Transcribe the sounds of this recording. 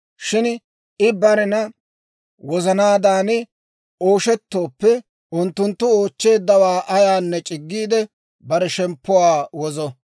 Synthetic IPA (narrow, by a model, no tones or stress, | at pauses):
ʃɪn | ɪbɐɾɛnɐ | wɔzɐnaːd̪aːnɪ | oːʃɛt̪ːo̞ːpːɛ | ʔʊnt̪ːʊnt̪ːʊo̞ːt͡ʃːe̞ːd̪ːɐwaːʔɐjaːnːɛt͡ʃʼɪɡːiːd̪ɛ | bɐɾɛʃɛmpːʊwaːwɔzɔ